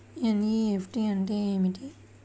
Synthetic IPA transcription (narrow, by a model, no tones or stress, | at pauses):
janiːepʰʈiɐɳʈeːeːmiʈi